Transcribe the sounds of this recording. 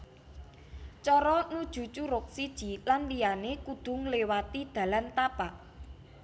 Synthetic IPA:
t͡ʃɔɾɔnud̥ʒ̥ṳt͡ʃuɾʊk̚sid̥ʒ̥i̤lanlijanekud̪̥ʊ̤ŋlewat̪id̪̥ä̤lant̪apaʔ

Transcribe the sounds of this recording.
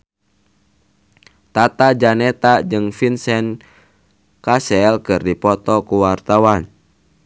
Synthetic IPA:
t̪at̪ad͡ʒanɛt̪ad͡ʒɨŋfinsɛn | kasɛlkɨrdipɔt̪ɔkuwart̪awan

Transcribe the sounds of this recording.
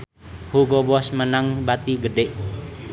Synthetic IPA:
hukɔbɔsmənaŋbat̪iɡəɖeʔ

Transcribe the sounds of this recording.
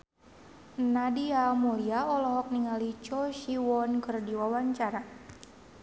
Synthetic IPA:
nadiamuliaɔlɔɦɔk̚niŋalit͡ʃɔʃiwɔnkɨrdiwawaɲt͡ʃaɾa

